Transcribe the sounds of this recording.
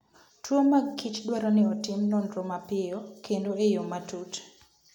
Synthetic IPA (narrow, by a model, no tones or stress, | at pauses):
twomaɡkʰɪt͡ʃdwaɾɔnɪɔtɪmnɔndɾomapɪjɔkʰendoejɔmatut